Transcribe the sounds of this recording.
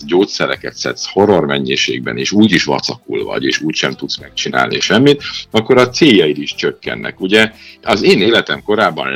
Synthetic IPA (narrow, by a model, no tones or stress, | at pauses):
ɟoːt̪sɛɾɛkɛt̪sɛ̰t̪sho̞ɾo̞rmɛɲːeːʃḛːɡ̚bɛ̰neːʃuːɟiʃʋɒ̰t̪sɒkulvɒ̰ɟeːʃuːcʃɛmt̪ut̪smɛk̚t͡ʃina̰ːlniʃɛmːit̪ɒkːo̞ɾɒt̪seːjːɒit̪iʃt͡ʃøkːɛ̰nːʔɛ̰kuɟɛɒzeːneːlɛt̪ɛmko̞ɾaːbːɒ̰n